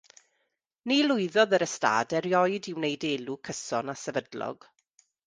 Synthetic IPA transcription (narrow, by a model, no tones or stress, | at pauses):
nilʊɨðɔðəɾəsta̰ːdɛɾjɔjdɪwnejdeːlukʰəsɔnasɛvədlɔ̰ɡ̥